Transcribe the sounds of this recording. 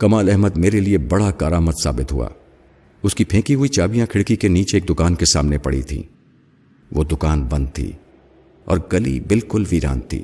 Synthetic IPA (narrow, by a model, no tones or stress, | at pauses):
kɐmaːlɛɦməd̪meːɾeliebɐɽakaːɾaːməd̪sa̰ːbɪt̪ɦṵa̰ː | ʊskipʰẽːkiɦʊit͡ʃaːbijãkʰɪɽkikeniːt͡ʃeeːk̚d̪ʊkaːnkesa̰ːmnepɐɽḭt̪ʰḭ̃ː | ʋoːd̪ʊkaːnbɐ̃nd̪̚t̪ʰḭː | ɔ̰ːɾɡɐlḭbɪlkʊlʋiːɾã̰ːnt̪ʰḭː